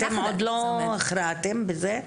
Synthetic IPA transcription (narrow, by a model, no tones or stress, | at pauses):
t̪emod̪loaχɾat̪embeze